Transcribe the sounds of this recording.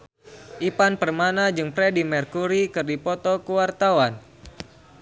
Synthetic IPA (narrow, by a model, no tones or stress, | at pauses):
ʔipanpərmanad͡ʒɨŋpɾɛdimɛrkuɾikɨrdipɔt̪ɔkuwart̪awan